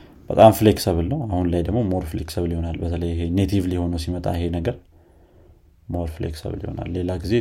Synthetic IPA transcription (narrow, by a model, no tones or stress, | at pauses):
b̥ət̪ʼamfleksəβɨlːəwahunlajd̪əɡmo̞moɾfleksəβliho̞nalbət̪ʰələjːɪɦenet̪ʰivliho̞nəwsimət̪ʼa̰ɪɦe̞nəɡəɾ | moɾflḛksə̰βlḭho̞̰na̰lːe̞laɡize̞